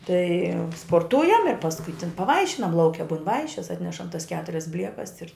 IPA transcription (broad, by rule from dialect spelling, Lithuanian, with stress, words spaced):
tɐɪ spoːrˈtʊjɛm ɪr pɐsˈkʊɪ tʲɪn pɐˈʋɐɪʃʲɪnɐm lˠɐʊˈkʲɛ bʊn ˈʋɐɪʃʲɪs ˈɑːtʲnʲɛʃɐm tɐs ˈkʲæːtʊrʲɛs ˈbʲlʲiɛkɐs ɪr